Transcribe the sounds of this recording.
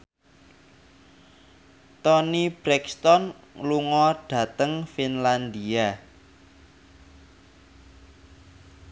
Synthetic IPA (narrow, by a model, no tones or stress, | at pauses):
t̪ɔnib̥ɾɛkst̪ɔn | luŋɔɖ̥ä̤t̪əŋfinland̪ia